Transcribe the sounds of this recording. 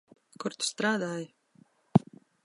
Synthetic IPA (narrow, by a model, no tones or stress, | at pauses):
kʊɾt̪st̪ɾaːd̪aːj